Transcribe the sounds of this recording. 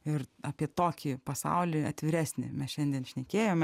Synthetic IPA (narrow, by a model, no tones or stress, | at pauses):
ɪrɑːpʲiɛt̪oːkʲipɐsɑ̰ʊlʲiɐt̪ʲʋʲɪɾʲæːsʲnʲɪ̰mʲɛsʃʲɛnʲd̪ʲiɛnʃʲnʲɛkʲeːjoːmʲ